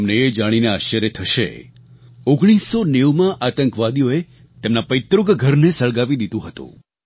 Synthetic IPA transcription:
mneːd͡ʒaɽ̃ineaʃəɾet̪ʰəʃḛ | oɡɽ̃isːoneʋmãʔat̪əŋkʋad̪ijoe | t̪emnapəjt̪ɾʊɡɡʱəɾnesəɭɡaʋid̪id̪ũɦət̪ṵ̃

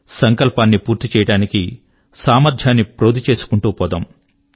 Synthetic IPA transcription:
sɐŋkɐlpaːnːipuːɾt̪it͡ʃɛːjɐɽaːniki | saːmɐɾd̪ʱjaːnːipɾoːd̪it͡ʃe̞ːsu̥kuɳʈuːpɔːd̪ɐm

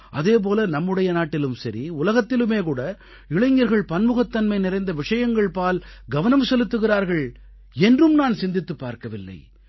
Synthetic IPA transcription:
ʔɐðeːp̬oːlɐnɐmːɯɽɐjɐnaːʈːɪlɯmsɐɾiʊlɐɣɐt̪ːɪlɯmeːkuːɽɐ | ɪɭɐɪŋɡɐɾɣɐɭpɐnmɯɣɐt̪ːɐnmɐɪnɪrɐɪnd̪ɐʋɪʂɐjɐŋɡɐɭpaːlɡɐʋɐnɐmsɔlɯt̪ːɯɣɪraːɾɣɐɭ | ɛndrɯmnaːnsɪnd̪ɪt̪ːɯpːa̰ːɾkɐʋɪlːɐ̰ɪ

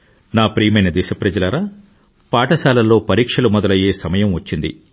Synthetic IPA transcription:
naːpɾiːmɐjnɐd̪iːʃɐpɾɐd͡ʒɐlɐɾaː | paːʈɐsaːlɐlːo̞ːpɐɾiːkʂɐlumɔd̪ɐlɐje̞ːsɐmɐjɐmʋɐt͡ʃːind̪ḭ

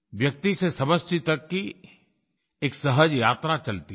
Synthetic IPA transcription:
ʋjɐk̚t̪isesɐməst͡ʃit̪əkːi | eːksɐɦəd͡ʒjaːt̪ɾat͡ʃɐlt̪i

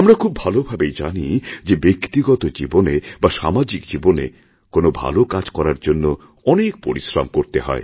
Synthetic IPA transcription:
amɾakʰubːʱalobʱabejd͡ʑa̰nid͡ʑebekt̪iɡɔt̪od͡ʑibonebaʃamad͡ʑikd͡ʑibonḛ | konobʱa̰lokad͡ʑkɔɾaɾd͡ʑonːo | ɔnek̚poɾisɾa̰mkoɾt̪eɦɔ̰e

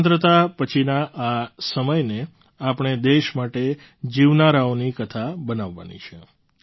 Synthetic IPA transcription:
nt̪ɾət̪apət͡ʃʰinaʔasəməjne | apɳ̃ed̪eʃmaʈe | d͡ʒiʋnaɾaonikət̪ʰabənaʋːa̰nḭt͡ʃʰe

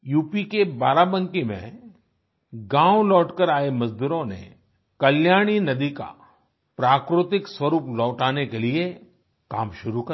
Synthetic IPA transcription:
juːpikebaːɾabə̃ŋkimḛ̃ | ɡãːʋlɔːʈkəɾaːemɐzd̪uːɾõnḛ | kɐljaːɽ̃inɐd̪ika̰ | pɾaːkɾʊt̪ɪkswɐɾuːplɔːʈaːnekelie | ka̰ːmʃʊɾukɐ

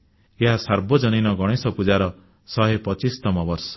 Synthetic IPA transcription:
eɦasaɾbɔd͡ʒɔninɔɡɔɽ̃esɔpud͡ʒaɾɔ | sɔɦepɔt͡ʃist̪ɔmɔbɔɾsɔ̥

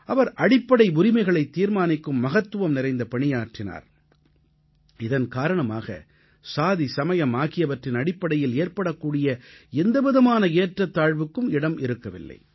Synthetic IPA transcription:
ʔɐʋɐɾʔɐɽɪpːɐɽɐɪʊɾɪmɐɪɣɐɭɐɪt̪ːiːɾmaːnɪkːɯmːɐɣɐt̪ːɯʋɐmnɪɾɐɪnd̪ɐpɐɳɪjaːʈrɪna̰ːɾ | ɪðɐnkaːɾɐɳɐma̰ːɣɐ̰ | saːðisɐmɐjɐmaːɣɪjɐʋɐʈrɪnɐɽɪpːɐɽɐjɪleːɾpɐɽɐkːuːɽɪjɐɛnd̪ɐʋɪðɐmaːnɐeːʈrɐt̪ːaːɻʋɯkːɯmɪɽɐmɪɾɯkːɐʋɪ̰lːɐ̰ɪ

